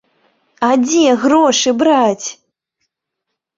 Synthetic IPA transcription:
ad͡zʲɛɣɾɔʂɨbɾat͡sʲ

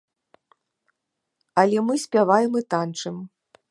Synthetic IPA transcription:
ɐlʲɛmɨsʲpʲavajɛmɨt̪ant͡ʂɨm

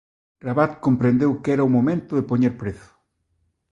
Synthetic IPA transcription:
raβat̪̚kompɾẽnd̪ewkɛɾaumomẽnt̪ʊðepoɲeɾpɾeθʊ̥

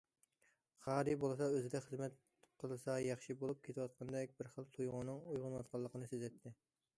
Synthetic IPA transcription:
χɑːɾibolˠɨsɑøzɪd̪ɛχəzmɛt̪̚ | qʰəlˠɨsɑjɑχʃibolˠup̚kʲʰet̪ʰwɑt̪̚qʰɑnd̪ɛkʲbɪɾχəlˠt̪ʰujʁʊnɨŋujʁʊnwɑt̪̚qʰɑlˠːəqʰənɨsezɛt̪ʰːɪ

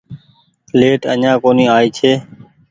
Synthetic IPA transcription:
leːʈəɲãːkoːniːaːiːt͡ʃʰeː

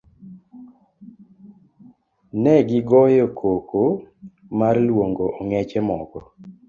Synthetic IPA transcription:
nɛɡɪɡɔjokʰoko | marlwoŋɡoʔɔŋɛt͡ʃɛmɔɡɔ

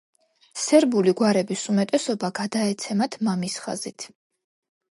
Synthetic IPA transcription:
sɛɾbuliɡwaɾɛbisumɛt̪ʼɛsɔbaɡad̪aɛt̪sʰɛmat̪ʰmamisχa̰zit̪ʰ

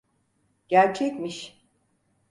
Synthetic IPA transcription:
ɟ̥æɾt͡ʃʰɛcmiʃ

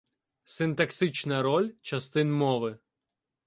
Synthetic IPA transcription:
sɪnt̪ɐksɪt͡ʃnɐɾɔlʲt͡ʃɐst̪ɪnmɔʋɪ

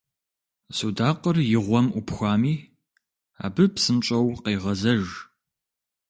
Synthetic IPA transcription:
sudaːqərjɪʁʷɔmʔʊpxʷaːmiː | a̰ːbɨpsɨmt͡ʃʼɐwqeːʁɐzɐʒ

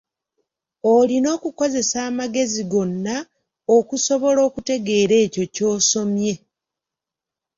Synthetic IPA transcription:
olino̞ːkuko̞ze̞saːmaɡe̞ziɡo̞nːa | okuso̞βo̞lo̞ːkute̞ɡe̞ːɾe̞ːco̞co̞ːso̞mje̞

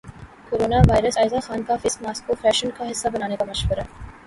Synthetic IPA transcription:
koɾoːnaʋaːjɾəsaːjzaxaːnkafɪskmaːskofɾɛːʃənkaɦɪsːabɐnaːnekamɐʃʋəɾa

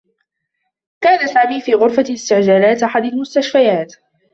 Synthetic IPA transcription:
kaːnasaːmiːfiːɣʊɾfalɪst̪ɪʕd͡ʒaːlaːt̪ʔaħad̪almʊst̪aʃfajaːt̪

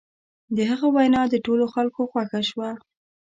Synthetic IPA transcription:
d̪əɦəɣawajnɑd̪əʈoloxalkoxwaxaʃwa

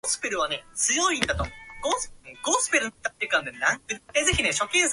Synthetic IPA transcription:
sɨ̥peɾɯ̟β̞ane̞t͡sɨjo̞ĩnd̪at̪omɡ̥osɨ̥eɡ̥osɨ̥peɾɯ̟nt̪ːat̪ːeɯkãnd̪enãŋkɯezeçine̞ɕo̞kʲẽɰs

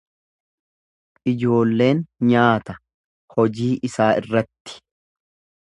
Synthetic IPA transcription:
ʔɪd͡ʒo̞ːlːe̞ːnɲaːt̪ɐ | hɔd͡ʒiːʔɪsaːʔɪrːɐt̪ːɪ̥

